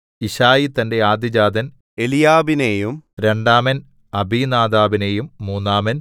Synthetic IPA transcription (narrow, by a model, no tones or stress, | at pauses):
iɕaːjit̪ːɐnde̞aːd̪id͡ʑaːd̪ɐn | elijaːbinejumɾe̞ɳɖaːmɐn | ɐbʱiːnaːd̪aːbinejumːuːnːaːmɐn